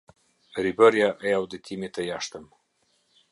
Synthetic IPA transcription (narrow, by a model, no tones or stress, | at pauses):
ɾibaɾjaʔajawd̪ət̪ʰimet̪ajaʂt̪əm